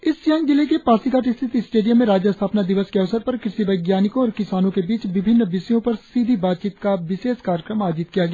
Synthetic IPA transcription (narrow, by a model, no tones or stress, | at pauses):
ɪsjɐ̃ŋɡd͡ʒɪlekepaːsikaːʈɪst̪ʰɪt̪isʈeːɖijəmːẽɾaːd͡ʒjəst̪ʰaːpnad̪ɪʋəskeɐʋsəɾpɐɾkɾɪsibɐɡjaːnɪkõɔːɾkɪsaːnõkebiːt͡ʃʋɪbʱɪnːbɪsijõpɐɾsiːd̪ʱibaːt̪̚t͡ʃiːt̪kaʋɪʃeːskaːɾjəkɾəmaːd͡ʒit̪̚kijaɡeja